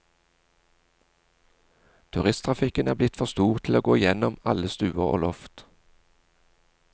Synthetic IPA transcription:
t̪ʰʉʁɪst̪ʰʁɑfɪkənæːʁblɪt̪fɔst̪uːʁt̪ʰloːɡoːɪjɛnɔmɑləst̪ʉːəʁo̰ːlɔft̪

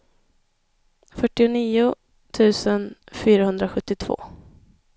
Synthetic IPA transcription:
fœʈːɪʊniːʊ | t̪ʰʉ̟ːsənfyːɾahɵnd̪ɾaɧɵt̪ːɪt̪ʰv̥o̰ː

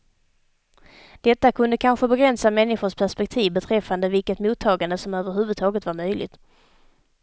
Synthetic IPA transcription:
d̪̥ɛt̪ːakʰɵnd̪əkʰanɧəbɛɡɾɛnsamɛnːɪɧʊʂpʰæʂpɛk̚t̪ʰiːvbɛt̪ʰɾɛfːand̪əvɪlkət̪muːt̪ʰːɑːɡand̪əsɔmøːvəɾɦʉ̟vɵd̪t̪ʰɑːɡət̪vaɾmœjlɪ̰t̪

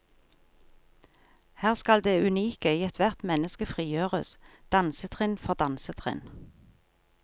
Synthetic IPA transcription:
hæːʁskɑld̪eːʉniːkəiːɛt̪ʰʋæʁt̪mɛnəskəfʁiːjøːʁəsd̪̥ɑnsət̪ʰʁɪnfɔʁd̪ɑnsət̪ʰʁɪ̰n

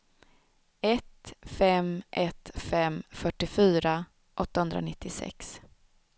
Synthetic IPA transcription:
ɛt̪fɛmʔɛt̪fɛmfœʈːɪfyːɾa | ʔɔt̪ːahɵnd̪ɾa̰nɪt̪ːɪsɛ̰ks

